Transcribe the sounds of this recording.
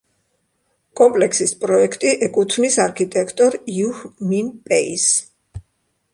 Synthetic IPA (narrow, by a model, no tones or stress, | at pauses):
kʼɔmpʼlɛkʰsispʼɾɔɛkʰt̪ʼiʔɛkʼut̪ʰnisaɾkʰit̪ʼɛkʰt̪ʼɔɾjuhminpʼɛis